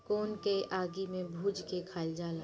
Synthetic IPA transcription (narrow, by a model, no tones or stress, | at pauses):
koːnkeʔaːɡimẽbʱuːd͡ʒkekʰaːld͡ʒaːla